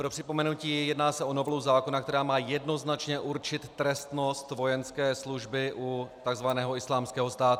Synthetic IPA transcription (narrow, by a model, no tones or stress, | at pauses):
pɾo̞pr̝̥ɪpo̞mɛnuciːjɛdnaːsɛʔonovlowzaːkonakt̪ɛɾaːmaːjɛdno̞znat͡ʃɲɛʔuɾt͡ʃɪt̪ːɾɛst̪nost̪vo̞jɛnskɛːsluʒbɪʔut̪aɡzvanɛːɦoɪslaːmskɛːɦo̞st̪aːt̪